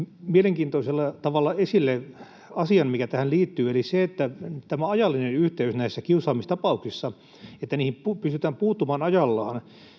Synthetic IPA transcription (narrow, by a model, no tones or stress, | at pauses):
mieleŋkiːnt̪oiselːɑt̪ɑʋɑlːɑesilːe | ɑsiɑnmikæt̪æhænliːt̪ːyːeliseet̪ːæt̪æmæɑjɑlːinenyht̪eysnæisːækiusɑːmist̪ɑpɑuksisːɑ | et̪ːæniːhimpupyst̪yt̪æːmpuːt̪ːumɑːnɑjɑlːɑːn